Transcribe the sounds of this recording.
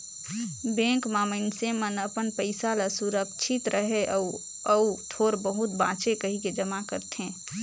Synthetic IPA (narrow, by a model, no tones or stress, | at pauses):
bẽːŋkmaːmənsemənəpənpəɪsalasuɾəkt͡ʃʰɪt̪ɾʔəɦeʔə | əut̪ʰoːɾbəɦʊt̪̚bã̰ːt͡ʃekəɦiked͡ʒəmakəɾt̪ẽː